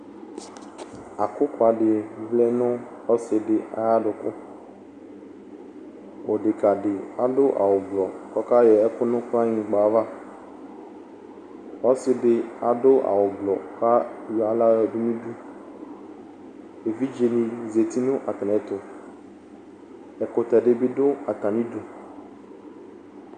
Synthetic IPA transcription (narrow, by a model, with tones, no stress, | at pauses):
a˨kʊ˦kʊ˦a˨ɖɪ˨vlɛ˦nʊ̃˦ | ɔ˦sɪ˨ɖɪ˨a̰˨ja˦ɖʊ˨kʊ˦ | wo˨ɖɪ˨ka˨ɖɪ˨a˦ɖʊ˦ʔa̰˨wʊ˨ɡ͡blɔ˨kɔ˦ka˦jɛ˨ɛ˦kʊ˦nʊ̃˦ka˦ɲĩ˨ɡ͡ba˨˦va˦ | ɔ˦sɪ˦dɪ˨a˨dʊ˦ʔa̰˨wʊ˨ɡ͡blɔ˨ka˦ju˨a˦la˦jɔ˨dʊ˦nĩ˦du˦ | e˨vi˦d͡ʒe˨nĩ˨ze˨t̪i˦nʊ̃˦ʔa˨tɪ˨nɛ̃˨t̪ʊ˨ | ɛ˨kʊ˨t̪ɛ˨ɖɪ˦bi˦dʊ˦a˨ta˨nĩ˦du˦